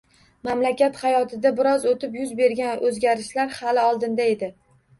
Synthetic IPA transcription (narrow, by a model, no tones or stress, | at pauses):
mamlakʲat̪χajɒt̪ʰɪd̪abɪɾɒzot̪ʰɪpjʊzbe̞ɾɡʲanɵzɡʲaɾɪʃlaɾhalɪɒlˠd̪ɪnd̪ae̞d̪ɪ